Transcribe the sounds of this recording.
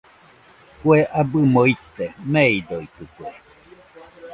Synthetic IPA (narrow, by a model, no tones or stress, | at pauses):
kweʔabɨmoit̪ːemeid̪oit̪ɯkwe